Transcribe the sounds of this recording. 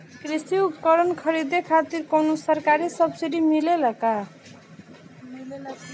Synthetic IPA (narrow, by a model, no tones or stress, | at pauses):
krisiupkʌɾʌnkʰʌɾid̪ekʰat̪irkʌwnusʌrkaɾisʌbsiɾimilelʌka